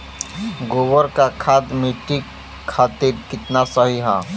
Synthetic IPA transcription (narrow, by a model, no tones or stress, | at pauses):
ɡoːʋəɾkakʰaːd̪miʈiː | aːt̪iɾkɪt̪nasəɦiɦaː